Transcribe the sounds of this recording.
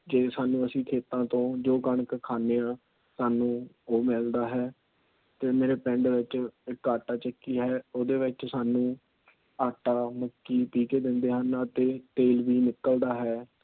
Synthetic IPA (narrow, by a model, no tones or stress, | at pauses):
d͡ʒeːsaːnũːəsĩːkʰeːt̪ãːt̪õːd͡ʒoːkəɳkkʰaːneãː | saːnũː | oːmɛːld̪aːɦɛː | t̪eːmeːɾeːpɛ̃ɳɖʋɪt͡ʃɪkaːʈaːt͡ʃəkːiːɦɛːoːd̪eːʋɪt͡ʃsaːnũː | aːʈːaːməkːiːpiːkeːd̪ɪ̃nd̪eːɦənət̪eːt̪eːlʋiːnɪkːəld̪aːɦɛː